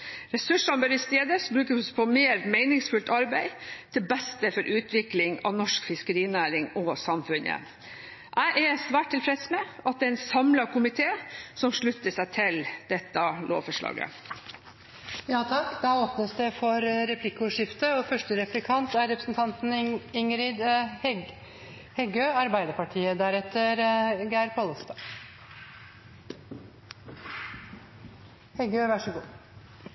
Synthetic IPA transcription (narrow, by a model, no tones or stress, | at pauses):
ɾɛsʉʂɑnbøɾɪst̪eːd̪əsbɾʉːkəspʰɔmeːɾmæɪnɪŋsfʉlt̪ɑɾbæɪt̪ʰɪlbæst̪əfɔɾʔʉːt̪ʰʋɪklɪŋɑ̰ʋnɔʂkfɪskəɾiːnæːɾɪŋɔsɑmfʉnə̰ | ʔæɪʔæsʋæːʈ̚t̪ːɪlfɾɛd̪smɛʔɑt̪̚d̪ɛɛnsɑmlɑkʰʊmɪt̪ʰeːsɔmʂɭʉt̪ːəʂæɪt̪ʰɪld̪̥ɛt̪ːɑlʔo̰ːʋfɔʂɭɑ̰ːɡə̰ | jɑːt̪ʰɑkːd̪ɑːoːpnəsd̪ɛfɔɾɾɛpʰlɪkːʊʂɪft̪əɔfœʂʈəɾɛplɪkʰɑnt̪æɾɾɛpɾəsnt̪ʰɑnt̪n̩ɪŋɾɪd̪ | hɛɡøːɑɾbæɪd̪əɾpɑʈʰiːəd̪æːɾɛt̪ːəɾɡæɪɾpʰɔlst̪ɑː | hɛɡøːʋæʂəɡuː